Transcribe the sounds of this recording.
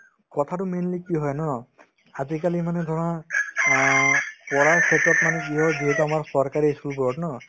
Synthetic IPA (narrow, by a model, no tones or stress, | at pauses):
kɔt̪ʰatʊmenlikiɦɔjnɔ | azikalimanɛd̪ʱɔɹɔnɔ | pɔɹakʰetɹɔtmanɛkiɦɔjduɦɔtɔamaɹsɔɹkaɹiesulpɔɹɔtnɔ